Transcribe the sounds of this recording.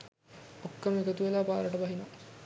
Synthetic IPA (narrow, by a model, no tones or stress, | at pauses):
okːɐmikət̪uʋelaːpaːɾɐʈəbɐɦina